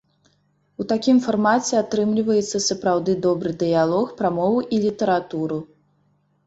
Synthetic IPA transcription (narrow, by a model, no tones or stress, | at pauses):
ut̪akʲimfarmat͡sʲɛat̪ɾɨmlʲivɐjɛt̪sːɐsɐpɾawd̪ɨd̪ɔbɾɨd̪ɨjalˠɔxpɾamɔvuʔilʲit̪ɐɾat̪uɾu